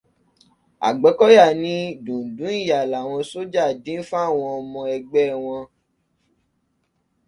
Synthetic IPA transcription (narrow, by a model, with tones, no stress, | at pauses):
a̰˨ɡ͡bɛ˨˦kɔ˦ja˦˨nĩ˦dũ˨dũ˨˦i˦˨ja˨la˨w̃ɔ̃˧so˦d͡ʒa˦˨dĩ˨˦fu˦a˦˨w̃ɔ̃˧ɔ˧mɔ̃˧ɛ˧ɡ͡bɛ˦˨w̃ɔ̃˧